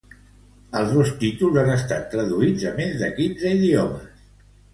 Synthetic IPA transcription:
əlˠzðost̪it̪ulˠzanəst̪at̪ːɾəðuid͡zəmezðəkinzəiðiɔməs

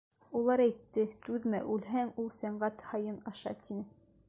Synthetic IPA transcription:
ulˠɑɾæjt̪ːɘt̪ʉðmæ̰ʔʉlɦæŋulˠsæɴɢæt̪hɑjɤnɑʃɑ̰t̪inɘ

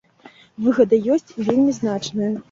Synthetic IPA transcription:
vɨɣɐd̪ɐjɔsʲt͡sʲvʲelʲmʲiznat͡ʂnɐjɐ

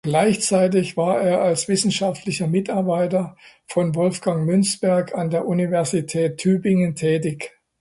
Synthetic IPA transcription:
ɡ̥laɪçt͡saɪt̬ɪçv̥aːɐeːɐalsv̥ɪsn̩ʃaftʰlɪçɐmɪtaɐbaɪtɐ | fɔnvɔlfɡ̥aŋmʏnsb̥ɛɐkʰandeːɐʔunivɛɐzitʰɛːtʰːyːbɪŋəntʰɛːtɪç

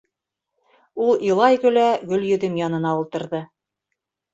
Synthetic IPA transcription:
ulˠilˠɑjɡɵ̆læɡɵ̆ljɵ̆ðɘmjɑnɤ̆nɑulˠt̪ɤ̆ɾðɤ

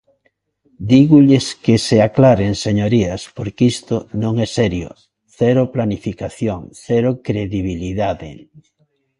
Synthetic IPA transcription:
d̪iɣuʎeskɪseaklaɾeŋseɲoɾiaspoɾkist̪ʊnõŋɛsɛɾjo̰ | θɛɾoplanifikaθjoŋθɛɾʊkɾeðiβ̞iliðaðḛ

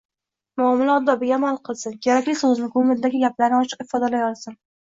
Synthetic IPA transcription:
mʊɒmɪlaɒd̪ːɒbɪɡʲaːmalˠqʰɨlˠsɪnkʲʰeɾakʲlɪsoznɪkʊmɪɾd̪aɡʲɪɡʲaplaɾnɪɒt͡ʃʰɨ̥qɪ̥fɒd̪alajɒlˠsɪn

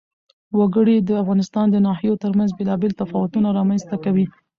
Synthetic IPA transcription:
waɡəɽid̪əafɣɑnɪst̪ɑnd̪ənɑhijot̪əɾmanzbelɑbelt̪afɑwʊt̪unaɾɑmanzt̪akawi

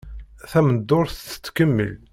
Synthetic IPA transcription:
θæməd̪ːʊɾθt͡s̪ːkəmːə̰l

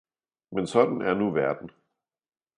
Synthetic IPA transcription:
mensɒ̽d̥n̩æɐnuʋæɐd̥n̩

